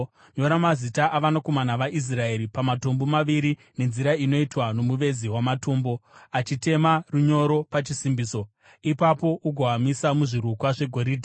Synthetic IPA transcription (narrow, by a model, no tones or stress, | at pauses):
ɲo̞ɾamazitaʔaʋanako̞manaʋaʔis̬rae̞ɾipamato̞mbo̞maʋiɾi | ne̞nziɾaino̞itwano̞muʋe̞ziwamato̞ːmbo̞at͡ʃite̞maruɲo̞ɾo̞pat͡ʃisimbiːso̞ | ipapo̞ʔuɡʱowamisamuʐiɾukwaʐe̞ɡʱo̞ɾiːdʱi